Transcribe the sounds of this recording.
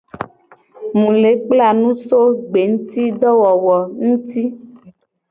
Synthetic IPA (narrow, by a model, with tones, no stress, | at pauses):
mũ˨le˨˦k͡pla˦˨nũ˦so˦ɡ͡be˨ŋ̩˦t̪i˦ɖɔ˦wɔ˨wɔ˨ŋũ˦t̪i˦